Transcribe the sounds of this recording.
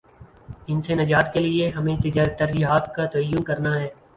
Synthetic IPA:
ɪnsenɐd͡ʒaːt̪kelieɦɐmẽt̪ɪd͡ʒɾt̪ɐɾd͡ʒiɦaːt̪kat̪ɐəjːʊnkɐɾnaɦɛː

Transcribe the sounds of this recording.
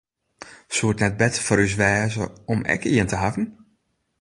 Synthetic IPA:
suətnɛt̚bɛtəfɔɾys̬ʋɛːzə̰ɔmɛ̰kiəntəɦavn̩

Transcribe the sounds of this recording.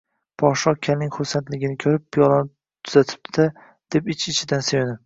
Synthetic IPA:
pʰɒʃɒkʲʰalnɪŋχʊɾsant̪lɪɡʲɪnɪkʲʰɵɾɪp̚ːʰjɒlˠanɪ | t̪ʰʊzat̪ʰɪ̥p̚d̪ɪ | d̪̥e̞pɪt͡ʃɪt͡ʃʰɪd̪ansejnɪ

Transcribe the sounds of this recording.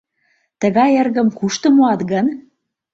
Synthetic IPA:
t̪ə̆ɣɑjerɣə̆mkuʃt̪ŏmoɑt̪ɣən

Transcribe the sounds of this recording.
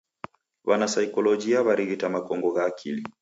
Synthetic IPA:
wanasaikɔlɔd͡ʒiaβaɾiɣitamakɔŋɡɔɣaːkʰili

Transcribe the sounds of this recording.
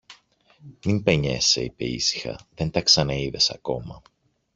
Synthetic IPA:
mimpe̞ɲe̞̰sḛipe̞̰ḭsi̥xɐ̰ðe̞nt̪ɐksɐnɐiðe̞sɐ̰ko̞mɐ

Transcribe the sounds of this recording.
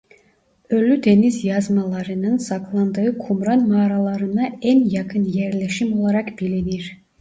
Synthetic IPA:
ølʲːyd̪e̞nizjazmalˠaɾɯnɯnsaklˠand̪ɯɯkʰumɾanmaːɾalˠaɾɯnaænjakʰɯnjæɾlʲeʃimo̞lˠaɾakbilʲiniɾ̥

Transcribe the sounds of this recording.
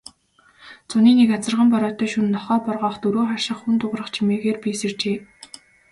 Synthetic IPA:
t͡sʊniːnekat͡sə̆rʁə̆mpɔɾɔːt̪œːʃunːɔχɔːpɔrʁɔːχt̪ɵɾoːχar̥ʃɪ̆χxunt̪ʊʁrə̆χt͡ɕʰimeːɣeːrpisert͡ɕeː

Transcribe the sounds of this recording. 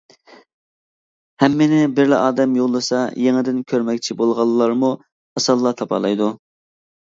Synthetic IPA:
hɛmːɪnɪbɪɾlɪ̰ʔɑːd̪ɛmjolˠːɨsɑjeŋɪd̪ɪnkʲʰøɾmɛkʲt͡ʃʰibolˠʁɑlˠːɑɾmu | ɑsɑlˠːɑt̪ʰɑpʰɑ̰lˠɑjd̪u

